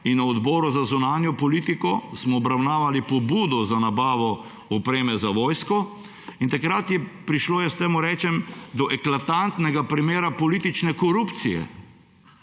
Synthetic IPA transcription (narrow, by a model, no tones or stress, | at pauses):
inɔɔd̪bɔːɾuzazunaːnjɔpɔliːt̪ikɔsmɔːbɾawnaːʋalipɔbuːd̪ɔzanabaːʋɔ | ɔpɾeːmɛzaʋɔːjskɔ | int̪akɾat̪jɛpɾiʃloːjɛst̪emuɾɛːt͡ʃɛmd̪ɔʔɛklat̪ant̪nɛɡapɾimeːɾapɔlit̪it͡ʃnɛkɔɾupt̪sijɛ̰